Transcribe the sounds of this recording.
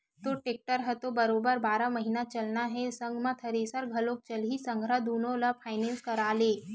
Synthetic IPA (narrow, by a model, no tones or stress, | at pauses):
t̪oʈeːk̚ʈəɾɦɛt̪obɐɾoːbəɾbaːɾamɐɦinat͡ʃɐlnaɦɛsɐ̃ŋɡʱmãt̪ʰɐɾeːsəɾɡʱɐlok̚t͡ʃɐlɦisɐ̃ŋɡʱɾad̪oːnõlapʰaːɪnẽːnskɐɾaːleː